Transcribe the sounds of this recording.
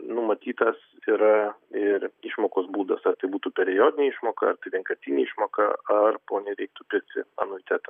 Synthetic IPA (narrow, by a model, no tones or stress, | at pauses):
nʊmɐt̪ʲiːt̪ɐs | iɾɐɪɾiʃmoːkoːsbuːd̪ɐsɐrt̪ɐɪbuːt̪uːpʲɛɾʲɪjoːd̪ʲɪnʲeːiʃmoːkɐɐrt̪ɐɪʋʲɛŋkɐsʲt̪ʲiːnʲeːiʃmoːkɐ̰ɐrpoːnʲɛɾʲɛɪk̚t̪ʊpʲɪɾʲk̚t̪ʲɪ̰ɐ̰nʊːʋʲɪt̪ʲæːt̪ɐ